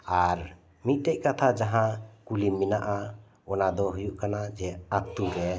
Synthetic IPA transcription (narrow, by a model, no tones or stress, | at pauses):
aɾ | mit̪̚ˀt̪ɛc̚ˀkat̪ʰad͡ʒaɦãkulimːinaʔa | ɔnad̪ɔɦujuʔkanad͡ʒɛat̪uɾɛ